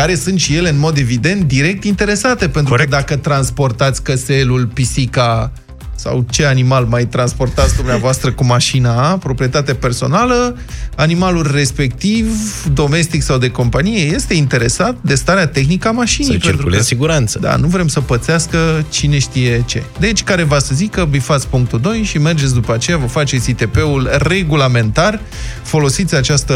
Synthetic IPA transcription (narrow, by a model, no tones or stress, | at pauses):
kaɾe̞sɨnt̪ʃije̞le̞ɨnmo̞d̪e̞vid̪e̞nt̪̚d̪iɾe̞k̚t̪int̪e̞ɾe̞sat̪e̞penɾuəd̪akət̪ɾanspo̞rt̪at̪sʲkəse̞lulpisika | sa̰wt͡ʃe̞animalmajt̪ɾanspo̞rt̪at̪sʲd̪umneavoast̪ɾəkumaʃinapɾo̞pɾije̞t̪at̪ape̞rso̞̰nalə | animalulʲre̞spe̞k̚t̪ivd̪o̞me̞st̪iksawd̪e̞ko̞mpanije̞je̞st̪e̞int̪e̞ɾe̞sat̪d̪e̞st̪aɾeat̪e̞xnikəamaʃinjpent̪ɾulesiɡuɾant̪səd̪a̰nuvɾe̞msəpət̪seaskət͡ʃine̞ʃt̪ije̞t͡ʃe̞̰d̪e̞t͡ʃʲkaɾe̞vasəzikəbifat̪sʲpuŋk̚t̪ud̪o̞jʃime̞rd͡ʒe̞t̪sʲd̪upəat͡ʃe̞javəfat͡ʃe̞t̪sit̪e̞pe̞ulre̞ɡulame̞nt̪ar | fo̞lo̞sit̪sʲat͡ʃast̪ə